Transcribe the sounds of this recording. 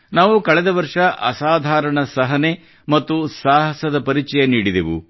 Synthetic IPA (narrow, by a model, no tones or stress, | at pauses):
naːʋukɐɭɛd̪ɐʋɐɾʂɐʔɐ̰saːd̪ʱaːɾɐɳɐsɐɦɐne | mɐt̪ːusaːɦɐsɐd̪ɐpɐɾit͡ʃɐjɐniːɽid̪eʋṵ